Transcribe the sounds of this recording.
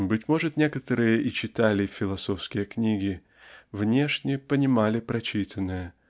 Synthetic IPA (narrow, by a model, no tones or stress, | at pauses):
bɨtʲmo̞ʐɨt̪nʲe̞kət̪əɾɨjəʔit͡ɕɪt̪alʲɪfʲɪlˠɐso̞fskʲɪjəknʲiɡʲɪ | vnʲe̞ʂnʲɪəpənʲɪmalʲɪpɾɐt͡ɕit̪ʰənːəjə